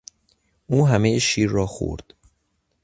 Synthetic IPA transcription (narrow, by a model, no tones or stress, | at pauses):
ʔuːɦæmejeʃiːɾːɒːxo̰ɾd̪̥